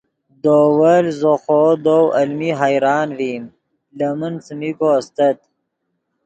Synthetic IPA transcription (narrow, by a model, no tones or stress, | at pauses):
d̪oːwəlzoxoːd̪owɐlmiɦajɾɑːnvim | ləmənsəmikoast̪ət̪̚